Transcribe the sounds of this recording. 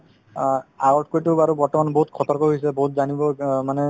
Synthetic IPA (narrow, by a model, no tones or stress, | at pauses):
aɡɔʈkojtubaɹubɔɹtɔmanboɦutkʰɔt̪ɔɹkɔɦojsɛboɦutzanibɔmanɛ